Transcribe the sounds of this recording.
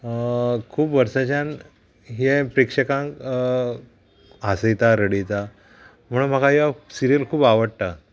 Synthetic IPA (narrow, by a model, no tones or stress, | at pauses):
kʰuːpʋəɾsat͡ɕan | ɦepɾekʂəkãŋk | asəjt̪aɾəɽit͡sa | m̤əɽ̃ũm̤əkajasiɾijəlkʰuːbaʋəɽ̚ʈa